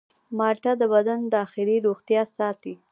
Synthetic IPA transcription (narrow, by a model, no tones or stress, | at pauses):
mɑʈad̪əbad̪and̪əɑxɪɾiɾoɣt̪jɑsɑt̪i